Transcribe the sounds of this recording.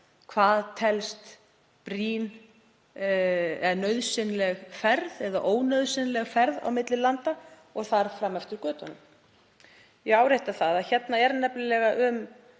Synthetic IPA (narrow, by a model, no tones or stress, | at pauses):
kʰvaːðt̪ʰɛlst̪ | pɾiːn | ɛnœɥðsɪnlɛɣfɛɾðɛðaʔoːwnœɥðsɪnlɛɣfɛɾða̰wmɪt̪lɪlant̪a | ɔɣθaɾ̥fɾamːɛft̪ʏɾ̥kœːt̪ɔnʏm | jɛɣawɾeht̪aθaðaðçɛt̪naɛɾnɛplɪlɛɣaʔʏm